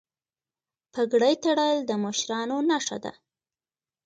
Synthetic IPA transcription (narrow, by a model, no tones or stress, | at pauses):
pʰəɡɽajt̪aɽəld̪əməʃɾɑnonaʂa̰d̪a̰